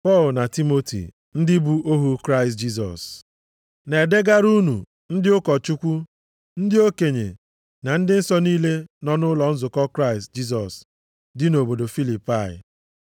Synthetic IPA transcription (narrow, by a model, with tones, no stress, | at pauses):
pɔ˦˨lna˨ti˦mo˦tḭ˨ | n̩˦dɪ˦bu˦o˦ɦu˦kɾa˦ɪ˨st̚d͡ʒi˦s̬ɔ̰˨s | ne˨de˦ɡa˦ɾu˦nu˨ | n̩˦dɪ˦ʊ˦kɔ˨t͡ʃu˦kʷu˦ | n̩˦dɪ˦o˦ke˨ɲḛ˨ | na˨n̩˦dɪ˦n̩˦sɔ˦niː˦le˦nɔ˨nʊ˦lɔ˨n̩˦zʊ˨kɔ˦kɾa˦ɪ˨st̚d͡ʒi˦s̬ɔ˨s | dɪ˦no˨bo˨do˨fi˦li˨pa˦˨jɪ̰˨